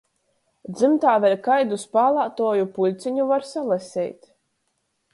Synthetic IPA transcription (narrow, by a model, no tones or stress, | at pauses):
d̪zɨmt̪aːvɛlʲkajd̪uspaːlˠaːt̪uɔjupulʲt̪siɲuvaɾsalˠɛsʲɛ̰ːjt̪